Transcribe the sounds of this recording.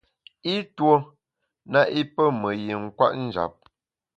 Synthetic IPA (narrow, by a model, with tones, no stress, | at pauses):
i˦two˦ | na˦ʔi˦pə˦mə˨ji˨ŋ̩˦˨kwa̰˦ʔn̩˦d͡ʒa̰˨p̚